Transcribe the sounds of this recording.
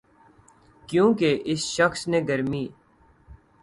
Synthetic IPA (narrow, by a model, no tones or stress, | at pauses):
kjũːkeʔɪsʃəxsneːɡəɾmiː